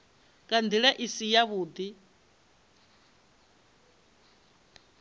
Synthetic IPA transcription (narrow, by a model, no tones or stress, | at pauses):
kand̪iɺɛʔisijaβuːd̪i